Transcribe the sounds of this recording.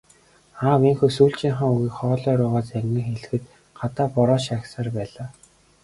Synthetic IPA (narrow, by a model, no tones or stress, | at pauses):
aːwiŋxɵsuːɬt͡ɕiːɴχăŋuɣiːkχɔːɮɔːɾʊːʁɔːt͡sæŋɡɘ̆ŋxeɮɘ̆xɘ̆t̪ | ɢat̪aːpɔɾɔːʃaksaːrpæːɮaː